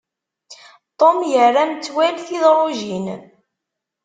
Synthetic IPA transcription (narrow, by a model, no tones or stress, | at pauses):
t̪ˤomjərːant͡sːwælθiðɾˤʊʒin